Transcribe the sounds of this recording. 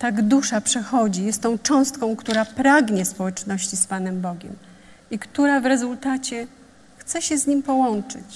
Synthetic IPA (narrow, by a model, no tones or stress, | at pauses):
t̪aɡd̪uʂapʂɛxɔd͡ʑijɛst̪ːɔ̃w̃t͡ʂɔ̃w̃st̪kɔ̃w̃kt̪uɾapɾaɡɲɛspɔwɛt͡ʂnɔɕt͡ɕispanɛmbɔɡʲɛ̰m | ikt̪uɾavɾɛzult̪at͡ɕɛ | xt̪sɛɕɛzɲimpɔwɔnt͡ʂɘ̰t͡ɕ